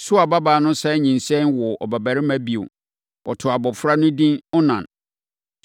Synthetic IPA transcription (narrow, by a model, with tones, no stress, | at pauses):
sʊ˦a˨ba˦baː˨˦nʊ̃˦sɛ˦ɲĩ˨nsɛ̃˦nwɔ˨ɔ̰˨bæ˨bæ˨ɾɪ˦mæ̃˦bi˨ʊ̰˨ | ɔ̰˨tʰʊ˨a˨bɔ˨fʊ˦ɾa˦nʊ̃˦dĩ˦nɔ˦nã̰˨n